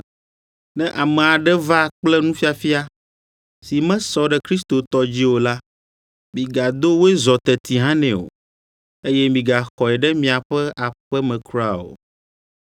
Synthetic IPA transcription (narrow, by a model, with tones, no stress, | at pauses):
nɛ̃˦ʔa˨mɛ̃˨a˨ɖɛ˦va˦˨k͡plɛ˦nũ˦fi˦a˨fi˦a˦ | si˨mɛ̃˦sɔ˦ɖɛ˦kɾi˦st̪o˨t̪ɔ˦d͡ʑi˦wo˨la˦ | mĩ˨ɡa˨d̪o˦wo˦e˦zɔ˨t̪ɛ˨t̪i˨ɦã˦nɛ̃˨o̰˨ | e˦jɛ˦mĩ˨ɡa˨xɔ˨ɛ˨ɖɛ˦mĩ˨a˨ɸɛ˦ʔa˨ɸɛ˦mɛ̃˨kɾu˦a˦˨o̰˨